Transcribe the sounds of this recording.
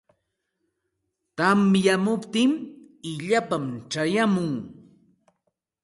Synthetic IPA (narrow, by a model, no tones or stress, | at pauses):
t̪amjamʊpt̪ɪm | ɪʎapamʈ͡ʂajamʊŋ